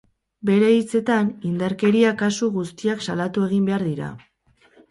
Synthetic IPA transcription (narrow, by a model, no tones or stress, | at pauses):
be̞ɾe̞it͡se̞t̪anind̪aɾke̞ɾiakasuɣust̪iaksalat̪ue̞ɣimbe̞aɾðiɾa̰